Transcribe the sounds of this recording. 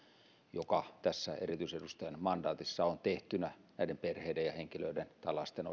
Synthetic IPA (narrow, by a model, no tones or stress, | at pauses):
jokɑt̪æsːæḛrit̪yisedust̪ɑjɑnmɑndɑːt̪isːɑont̪eht̪ynæ | næˑidemperheidejjɑheŋkiløident̪ɑlɑst̪eno